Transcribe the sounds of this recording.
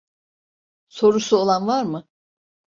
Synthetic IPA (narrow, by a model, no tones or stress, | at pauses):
so̞ɾusuolˠanvaɾmɯ